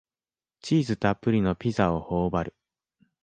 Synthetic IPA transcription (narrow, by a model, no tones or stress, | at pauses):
t͡ɕiːzɨt̪apːɯ̟ɾʲino̞pʲizao̞ho̞ːbaɾɯ̟